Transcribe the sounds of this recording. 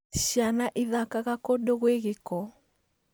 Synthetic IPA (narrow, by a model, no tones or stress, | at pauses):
ʃjanaʔiðakaɣakodoɣweɣekɔ